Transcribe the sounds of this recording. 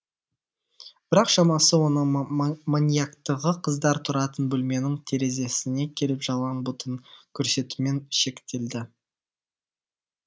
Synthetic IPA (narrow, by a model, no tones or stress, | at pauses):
b̥ɪɾɑqʃɑmɑsəwo̞nəɴmonʲijakt̪əʁəqʰəzd̪ɑɾt̪ʰʊɾɑt̪ənbɵlme̞nɪŋt̪ʰe̞ɾe̞ze̞sɪne̞kʲʰe̞lɪpʒ̥ɑlˠɑnbʊt̪ʰəŋkʲʰɵɾse̞t̪ume̞ŋʃe̞kt̪e̞ld̪ɪ